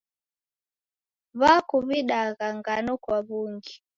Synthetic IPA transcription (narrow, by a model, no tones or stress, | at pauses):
βakuβiɗaɣaŋɡanɔkwaβuŋɡi